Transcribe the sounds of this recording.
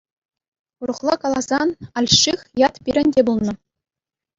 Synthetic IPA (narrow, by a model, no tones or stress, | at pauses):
urɤ̆χlˠɑkɑlˠɑzɑnɑlʲɕixʲjɑt̪pʲiɾʲɘ̆nʲdʲebulˠnɤ̆